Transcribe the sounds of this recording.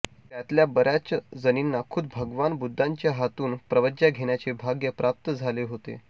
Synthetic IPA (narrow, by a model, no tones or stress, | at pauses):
t̪jat̪ljabəɾjat͡ɕad͡zəninːakʰud̪bʱəɡʋanbud̪ʱːaɲt͡ɕjaɦat̪uːnpɾəʋəd͡ʑjaɡʱeɳjat͡ɕebʱaɡjəpɾap̚t̪əd͡zʱaleɦot̪ḛ